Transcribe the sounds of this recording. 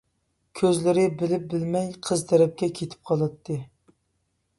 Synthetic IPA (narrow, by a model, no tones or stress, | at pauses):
kʲʰøzlɪɾɪbɪlɪp̚bɪlmɛjqʰəzt̪ʰɛɾɛp̚kʲɛkʲʰet̪ʰɪ̥p̚qʰɑlˠɨt̪ʰːɨ